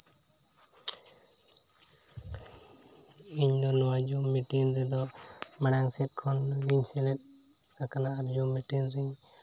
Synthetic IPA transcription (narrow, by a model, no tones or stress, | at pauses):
iɲd̪ɔnɔwad͡ʒumiʈiŋd̪ɛd̪ɔ | maɽaŋsɛt̪̚kʰɔnliɲsɛlɛt̪̚ | akanaːɾd͡ʒumiʈinɾiɲ